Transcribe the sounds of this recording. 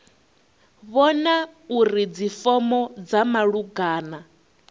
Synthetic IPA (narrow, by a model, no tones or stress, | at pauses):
βɔnauɾid͡zifɔmɔd͡zamaɺuɡaːna